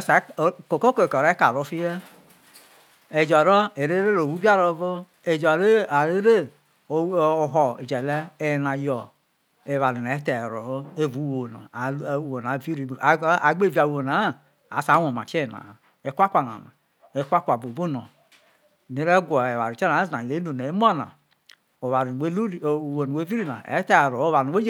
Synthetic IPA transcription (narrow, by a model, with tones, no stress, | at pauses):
sa˨˦˨ko˨ko˦ko˨ko˨ɾe˦ka˨ɾo˦fi˦je˦ | e˨d͡ʒɔ˨ɾɔ˦e˨ɾe˦ɾe˦ɾo˨wu˦bi˦a˦ɾo˨˦vo˦ | e˨d͡ʒɔ˨ɾe˦a˨ɾe˦ɾe˦˨ | ɦɔ˨e˨d͡ʒɛ˨le˦e˨na˨jɔ˨ | e˨βa˨li˨na˨e˦te˨ɾo̰˨o˦e˦˨vu˨˦wo˨na̰˨˦wo˨na˨˦˨vi˦ɾi˨˦˨a˨ɡ͡be˦˨vi˦a˨wo˨na˨˦˨ | a̰˨˦sa˨˦o˨ma˨te˦˨na̰˨ | e˦kʷa˦kʷa˨na̰˨ma̰˨ | e˦kʷa˦kʷa˨bu˨bu˦no˨ | ni˨˦ɾe˦ɡʷɔ˨e˨βa˨ɾi˨t͡ʃe˦na˨˦zna˨i˨le˦nu˨ne˨˦m˦o˦na̰˨ | o˨βa˨ɾwe˦˨wo˨nu˨we˦vi˦ɾi˦na̰˨ḛ˦te˦˨ɾo˨˦βa˨˦e˦d͡ʒ